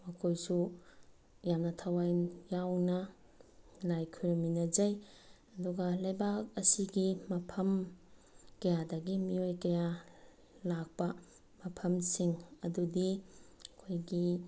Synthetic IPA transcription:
mɐkʰojsu | jamnɐtʰɐwajjawnɐ | lajkʰuɾɐminɐd͡ʒɐj | ɐduɡɐlɐjbak̚ɐsiɡimɐpʰɐm | kɐjadɐɡimiojkɐja | lak̚pɐ | mɐpʰɐmsiŋɐdudikʰojɡi

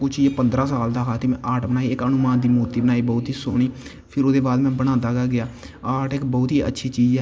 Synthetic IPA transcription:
kʊt͡ʃʰːepənd̪ɾãːsaːld̪aːkʰaːt̪eːmɛ̃ːʔaːʈbənaːiːɪkənʊmãːnd̪iːmoːɾt̪iːbənaːiːbɔːt̪ɦiːso̰ːɽ̃iː | pʰɪɾoːd̪eːbaːd̪mɛ̃ːbəɽ̃aːd̪aːɡaːɡɪjaː | aːʈɪkbɔːt̪ɦiːə̰tːʃʰiːt͡ʃiːzɛː

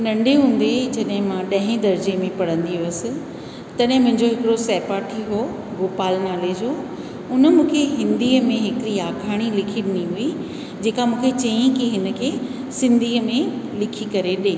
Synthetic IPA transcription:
nɐ̃ɳɖʱeɦũːn̆d̪ed͡ʑɐɗɦɪ̃mãɗɐ̃ɦɪ̃d̪ɐɾd͡ʑemẽpɐɽ̤ə̃nd̪iʋesɪ̆ | t̪ɐɗɦɪ̃mʊ̃ɦɪ̃ɲd͡ʑoɦɪkɪɽosɛːpaːʈʰiɦoː | ɡoːpaːlnaːleːd͡ʑoː | ʊnə̆mũːkʰeɦɪ̃nd̪iːəmẽɦɪkɾiaːkʰaːɽ̃ilɪkʰiɗɪniɦui | d͡ʑeːkamũːkʰet͡ɕɐĩkiɦɪnəkʰeː | sɪ̃nd̪ʱiːəmẽlɪkʰikɐɾeɗẽː

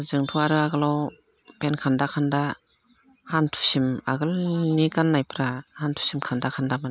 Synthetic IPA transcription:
zɯŋtʰuaɾɯaɡɯlɔw | penkʰandakʰanda | hantʰu̥sima̰ɡɯlnikanːajpʰɾahantʰu̥simkʰandakʰandamɯn

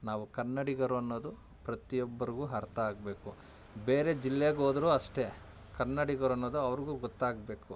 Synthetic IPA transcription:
naːʋukɐnːɐɽiɡɐɾuɐnːo̞ːd̪u | pɾɐt̪ijɔbːɐɾiɡuːɦɐɾt̪ʰɐaːɡ̚be̞ːku | beːɾe̞d͡ʒilːeɡo̞ːd̪ɐɾuːɐʂʈe̞ | kɐnːɐɽiɡɐɾuɐnːoːd̪uɐʋɐɾiɡuːɡɔt̪ːaːɡbe̞ːku

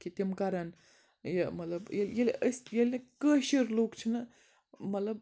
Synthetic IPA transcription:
kit̪ʲimkaɾɐn | jɐmɐt̪lɐbjeljeləsʲjɐlʲnɐkəːʃiɾloːkt͡ʃʰinɐ | mɐt̪lɐb̚

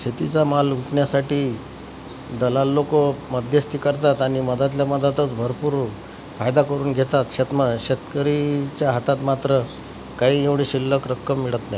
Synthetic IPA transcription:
ɕet̪it͡samaluʈɳjasaʈiː | d̪əlalːokoməd̪ʱjəst̪ikəɾt̪at̪añiməd̪at̪̬ljaməd̪at̪ət͡sbʱəɾpuːɾ | fajd̪akəɾuːnɡʱet̪at̪ɕet̪məɕet̪kəɾit͡ɕjaɦat̪at̪mat̪ɾə | kaɦiːeʋɽiːɕilːəkɾəkːəmːiɭət̪naj

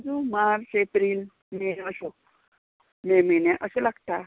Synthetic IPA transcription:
d͡zumaɾsepɾil | menəɕo | memenɛ̃ʔəɕelaɡt̪a

